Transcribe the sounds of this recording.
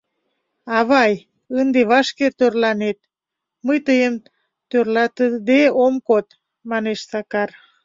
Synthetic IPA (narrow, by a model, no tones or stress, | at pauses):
ɑβɑj | ənd̪eβɑʃkert̪ørlɑnet̪̚ | məjt̪əjəm | t̪ørlɑt̪əd̪eomkot̪ | mɑneʃsɑkɑr